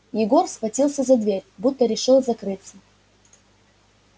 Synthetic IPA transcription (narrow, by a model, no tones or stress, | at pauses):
jɪɡo̞rsxvɐtʲilˠsʲəzɐd̪vʲeɾʲbut̪ːəɾʲɪʂɨlˠzɐkɾɨt̪sə